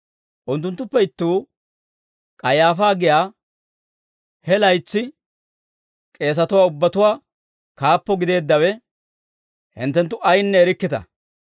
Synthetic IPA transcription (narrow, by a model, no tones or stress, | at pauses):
ʔʊnt̪ːʊnt̪ːʊpːɛɪt̪ːuː | kʼɐjaːfaːɡɪjaː | hɛlɐjt͡sːɪ | kʼe̞ːs̬ɐt̪ʊwaːʊbːɐt̪ʊwaː | kaːpːɔɡɪd̪e̞ːd̪ːɐwɛ | hɪ̰nt̪ːɛnt̪ːʊʔɐjnːɛːɾɪkːɪt̪ɐ̰